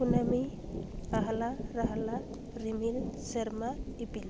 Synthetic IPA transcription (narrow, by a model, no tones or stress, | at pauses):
unami | aɦalaɾaɦala | ɾimilseɾmaipil